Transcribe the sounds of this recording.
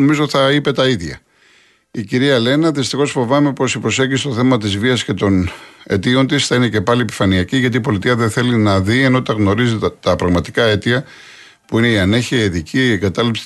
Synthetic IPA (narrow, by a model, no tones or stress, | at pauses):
omizoθɐipe̞t̪ɐiðʝɐ̰ | iciɾiɐle̞nɐðist̪ixo̞sfo̞vɐme̞po̞sipɾo̞se̞ʝist̪o̞θe̞mɐt̪izviɐsce̞t̪o̞ne̞̰t̪io̞nt̪isθɐine̞ce̞pɐlie̞pi̥fɐniɐciʝɐt̪iːpo̞lit̪iɐðenθe̞linɐðieno̞t̪ɐɣno̞ɾizit̪ɐpɾɐɣmɐt̪i̥kɐe̞t̪iɐ | puineiɐne̞çiɐiðicieŋɡɐt̪ɐlipsi̥